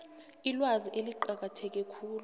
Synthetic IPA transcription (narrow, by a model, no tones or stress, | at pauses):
ilwaziʔeliǃak̬atʰɛk̬ɛkʰuːlu